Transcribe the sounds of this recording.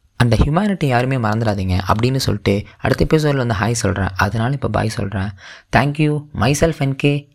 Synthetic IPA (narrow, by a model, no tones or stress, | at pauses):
ɐnd̪ɐhjʊmaːnɪʈːijaːɾɯmeːmɐɾɐnd̪ɯɽaːðiːŋɡɐʔɐ̰pːɐɽɪnːɯsɔ̰lːɪʈːɯɐ̰ɽɯt̪ːɐpːɪs̬oːɾlʋɐnd̪ɯɦaːjsɔlrã̰ːʔɐðɐnaːlɐɪpːoːba̰ːjsɔ̰lrãːt̪ʰaːŋkjuːmɐɪsɛlfɛnkɯ